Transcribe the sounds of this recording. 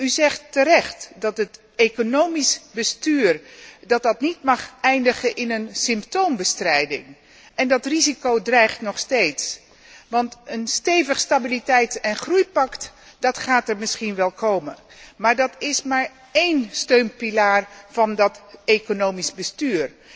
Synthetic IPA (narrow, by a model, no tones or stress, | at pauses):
yzɛχtːəɾɛχtdɑtət | ekonowmisbəstyːrdɑt̚dɑtnitmɑχɛjndəχəʔɪnənsɪmptowmbəstrɛjdɪ̰ŋ | ʔɛndɑtrizikowdrɛjχtnɔχstejts | ʋɑntənstejvəχstabilitɛjtɛnχrujpɑktd̥ɑtχaːtəɹmɪsχinʋɛlˠkowmə | maːɹdɑtɪsmaːɹ | ejnstøɥmpilaːɹv̥ɑndɑtekonowmizbəstyːr